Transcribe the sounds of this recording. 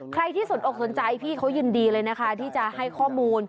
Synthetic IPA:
kʰɾa˧jt̪ʰiː˥˩so˨˩nʔoː˨˩k̚so˩˦nt͡ɕa˧jpʰiː˥˩kʰa˦˥wjɯː˧ndiː˧lɤː˧jna˦˥kʰa˦˥˩t̪ʰiː˥˩t͡ɕa˨˩ʔha˥˩jkʰɔː˥˩muː˧n

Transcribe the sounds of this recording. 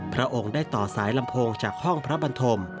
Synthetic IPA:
pʰɾa˦˥ʔo˧ŋdaː˥˩jt̪ɔː˨˩saː˩˦jla˧mpʰoː˧ŋt͡ɕaː˨˩k̚hɔ˥˩ŋpʰɾa˦˥ba˧nt̪ʰo˧m

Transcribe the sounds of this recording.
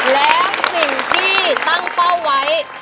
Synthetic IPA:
lɛː˦˥˦wsi˨˩ŋt̪ʰiː˥˩t̪a˥˩ŋpa˥˩wwa˦˥j

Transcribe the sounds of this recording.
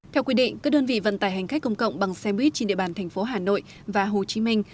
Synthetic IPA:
t̪ʰɛ˧wkwi˧ɗḭ̈˧˨ŋ̟kaː˦˥k̚ɗəː˧nvḭ˧˨və̰˧˨nt̪aː˧˩jɦa˨˩ŋ̟xa˦˥k̟̚kə˧wŋ͡mkə̰˧˨wŋ͡mɓa˨˩ŋsɛ˧mɓwi˦˥t̚t͡ɕe˧nɗḭ˧ə˨ɓaː˨˩nt̪ʰɛ˨˩ŋ̟fo˨˦ɦaː˨˩no̰˧˨j | vaː˨˩ɦo˨˩t͡ɕi˨˦mï˧ŋ̟

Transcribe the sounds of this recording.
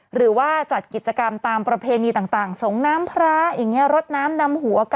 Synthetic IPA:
ɾɯː˩˦waː˥˩t͡ɕa˨˩t̪̚ki˨˩t͡ɕa˧ka˧mt̪aː˧mpɾa˧pʰeː˧niː˧t̪aː˨˩ŋt̪aː˨˩ŋso˩˦ŋnaː˦˥mpʰɾaː˦˥jaː˨˩ŋːi˦˥ɐɾo˦˥t̪̚naː˦˥mna˧mhu˩˦ɐk

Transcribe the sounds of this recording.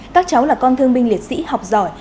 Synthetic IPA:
kaː˦˥k̚t͡ɕa˨˦wlaː˨˩kɔ˧nt̪ʰɨ˧əŋɓï˧ŋli˨˩ət̚sḭ˧˥ha˨˩wk͡p̚zɔ˧˩j

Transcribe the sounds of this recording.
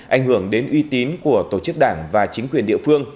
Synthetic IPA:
ʔa̰˧˩jŋ̟hɨ˧˩əŋɗe˨˦nʔwi˧t̪i˨˦nku˧˩ət̪o˧˩t͡ɕɨ˦˥k̚ɗaː˧˩ŋvaː˨˩t͡ɕï˨˦ŋ̟kwi˨˩ənɗḭ˧˨əfɨ˧əŋ

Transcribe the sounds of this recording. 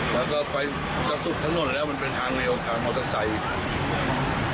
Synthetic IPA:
lɛː˦˥˩kɔː˥˩pa˧j | ka˧su˨˩t̪ʰa˦˥ŋno˧nlɛː˦˥wma˧npe˧nt̪ʰaː˧ŋle˧wt̪ʰaː˧ŋʔa˧sa˧sa˧˩j

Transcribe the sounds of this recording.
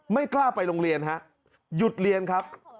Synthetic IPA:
ma˥˩jklaː˥˩pa˧jlo˧ŋɾi˧ənɦa˦˥ʔ | ju˨˩t̪̚ɾi˧ənkʰa˦˥p̚

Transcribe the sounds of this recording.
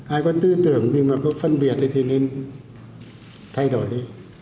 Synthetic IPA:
ʔaː˧˩kɔː˧˩t̪ɯː˧˥˨t̪ɯ˨˩əŋdɯː˧maː˧˩kɔ˧˥˩fa˧˨nbi˨˩ət̪̚ʰːa˧t̪ʰiː˧˩nɯ˧˥˨n | t̪ʰa˧˩jdɔː˨˩lɯ˧˨

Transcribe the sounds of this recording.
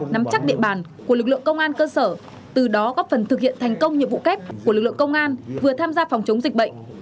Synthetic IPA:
na˨˦mt͡ɕa˦˥k̚ɗḭ˧˨əɓaː˧˨˩nku˧˩əlɨ˨˩k̚lɨ̰˧˨əŋkə˧wŋ͡mʔaː˧nkəː˧səː˧˩ | t̪ɨ˨˩ɗɔ˨˦kɔ˨˦˥fə˨˩nt̪ɨ˨k̚hḭ˧˨ənt̪ʰa˨˩jŋ̟kə˧wŋ͡mɲḭ˧˨vṵ˧˨kɛ˦˥p̚ku˧˩lɨ˨˩k̚lɨ̰˧˨ə˨kə˧wŋ͡mʔaː˧nvɨ˨˩ət̪ʰaː˧mzaː˧fɔ˨˩wŋ͡mt͡ɕə˨˦wŋ͡mzi˨˩k̟̚ɓə̰˧˨jŋ̟

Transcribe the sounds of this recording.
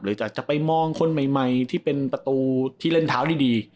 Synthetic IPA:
ɾɯː˨˦t͡ɕaː˨˩k̚t͡ɕa˨˩pa˧jmɔː˧ŋkʰo˧nma˨˩jma˧jt̪ʰiː˥˩pe˧npɾa˧t̪uː˧t̪ʰiː˥˩le˥˩nt̪ʰaː˦wdiː˥˩diː˧

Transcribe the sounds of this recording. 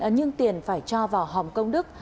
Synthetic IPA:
ɲɨ˧ŋt̪i˨˩ənfaː˧˩jt͡ɕɔ˧vaː˨˩wɦa˨˩wŋ͡mkə˧wŋ͡mɗɨ˦˥k̚

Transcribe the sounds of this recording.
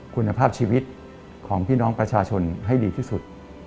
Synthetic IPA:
kʰu˧nːa˧pʰaː˥˩p̚t͡ɕʰiː˧wi˦˥t̪̚ | kʰɔː˩˦ŋpʰiː˥˩nɔː˦˥ŋpɾa˧t͡ɕʰaː˧t͡ɕʰo˧nɦa˥˩jdiː˧t̪ʰiː˥˩su˨˩t̪̚

